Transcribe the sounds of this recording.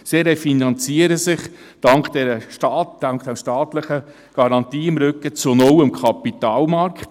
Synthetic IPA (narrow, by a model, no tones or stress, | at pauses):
siɾefinɑnt͡siəɾəsɪχ | d̥ɑŋkd̥ɛɾəʃtɑːtd̥ɑŋkχd̥ɛmʃtɑːt̪ləχə | ɡ̥ɑɾɑnt̪iːɪmɾʏkːət͡sonɔwəmkʰχɑpit̪ɑːlmɑɾkχt